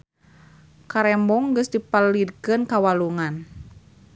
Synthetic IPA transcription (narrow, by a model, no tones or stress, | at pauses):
kaɾɛmbɔŋɡɨsdipalidkɨnkawaluŋan